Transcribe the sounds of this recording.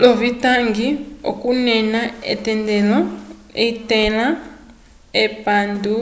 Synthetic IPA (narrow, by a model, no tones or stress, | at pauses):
lɔvitaŋɡio̰kunɛnaɛ̰tɛndɛlɔeitɛla | ɛpandu